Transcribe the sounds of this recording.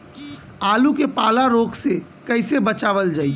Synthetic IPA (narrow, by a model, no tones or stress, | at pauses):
aːlũkepaːlaɾoːkse | kɐɪsebɐt͡ʃaːʋəld͡ʒaːi